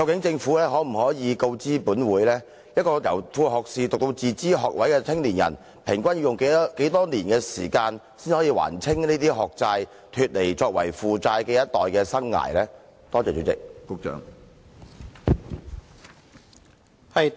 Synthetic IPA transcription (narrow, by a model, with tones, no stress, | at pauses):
kɐ˧wkɪ˨˥ŋt͡sɪ˧ŋfuː˨˥lɛː˥ɦɔː˨˥m̩˨˩ɦɔː˨˥jiː˨˧ko˧wt͡siː˥puː˨˥nwuː˨˥jlɛː˥ | jɐ˥t̚kɔː˧jɐ˨˩wfuː˧ɦɔː˨k̚siː˨t̪k̚t̪o˧wt͡siː˨t͡siː˥ɦɔː˨k̚wɐ˨˥jkɛː˧t͡sʰɪ˥ŋliː˨˩njɐ̰˨˩n | pʰɪ˨˩ŋkʷɐ˥nji˧wjʊ˨ŋke˨˦ke˨˥jt̪ɔː˥niː˨˩nkɛː˧siː˨˩kaː˧nsiː˥nhɔː˨˥jiː˧wa̰ː˨˩nt͡sʰɪ˥ŋniː˥t̪iː˥ɦɔː˨k̚t͡saː˧j | t̪ʰyː˧t̚le˨˩jt͡sɔː˧k̚wɐ̰˨˩jfuː˨t͡saː˧jkɛː˧jɐ˥t̚t̪ɔː˨jkɛː˧sɐ˥ŋːa̰ː˨˩jlɛː˥ | t̪ɔː˥t͡sɛː˨˩t͡ʃo̰˨˥wt͡sɪ̰˨k̚kʊ˥k̚t͡ʃœ̰ː˨˥ŋ | hɐ˨j